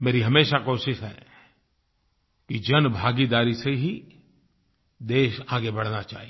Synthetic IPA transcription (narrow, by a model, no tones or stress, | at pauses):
meːɾiɦɐmeːʃakoːʃɪʃɦɛ̰ː | kid͡ʒɐnbʱaːɡid̪aːɾiseɦi | d̪eːʃaːɡebɐɽ̤nat͡ʃa̰ːɦi